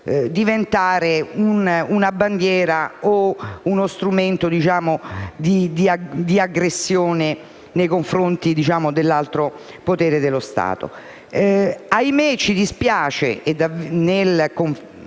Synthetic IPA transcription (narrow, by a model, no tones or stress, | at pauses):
d̪ivent̪aːɾeununaband̪jɛːɾaounost̪ɾument̪od̪it͡ʃaːmod̪id̪iad̪iaɡɾesːjoːne | nejkoɱfɾont̪id̪it͡ʃaːmod̪elːalt̪ɾo | pot̪ɛːɾed̪elːost̪a̰ːt̪o̰ | ajmet͡ʃːid̪ispjaːt͡ʃḛʔed̪anelkoɱ